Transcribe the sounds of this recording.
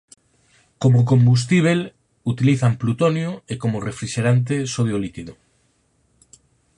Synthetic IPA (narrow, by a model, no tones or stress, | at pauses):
komok̬ombus̬t̪iβ̞el | ut̪iliθamplut̪onjoekomorefɾiʃeɾant̪̬esoðjolikiðo